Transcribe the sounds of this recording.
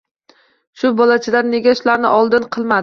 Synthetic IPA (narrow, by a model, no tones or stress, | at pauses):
ʃʊbɒlat͡ʃʰɪd̪anːe̞ɡʲaʃlaɾnɪʔɒlˠd̪ɪnqʰɨlˠmad̪ɪ